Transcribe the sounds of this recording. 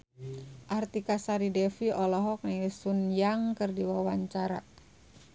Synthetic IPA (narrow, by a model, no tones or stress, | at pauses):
ʔart̪ikasaɾidɛfiɔlɔɦɔk̚nɛɛsunjaŋkərdiwawaɲt͡ʃaɾa